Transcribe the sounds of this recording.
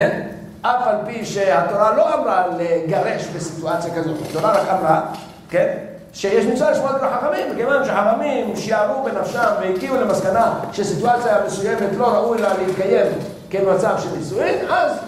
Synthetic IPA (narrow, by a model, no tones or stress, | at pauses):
en | ʔafalpiʃehat̪o̞ɾalo̞ʔamɾaleɡaɾe̞ʃbesit̪uat͡sijakazo̞t̪at̪oɾaɾakamɾa | ke̞n | ʃejeʃ̬mut͡saliʃmollaħaχamimbekevanʃeħaχamimʃejaaʁubenafʃamvejiɡiulemaskanaʃeasit̪uat͡sijamesuje̞me̞t̪lo̞ɾaʔujlaleit̪kaje̞m | kemat͡savʃelmisuinʔaz